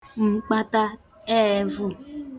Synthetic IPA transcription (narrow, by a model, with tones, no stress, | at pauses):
ŋ͡m̩˨k͡pa˦ta˦ | ɛ˦vu˦